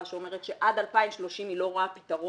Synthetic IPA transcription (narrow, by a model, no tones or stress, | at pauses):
aʃeome̞ʁet̪ʃe̞ʔad̪alpaimʃlo̞ʃimilo̞ʁapi̥t̪aʁo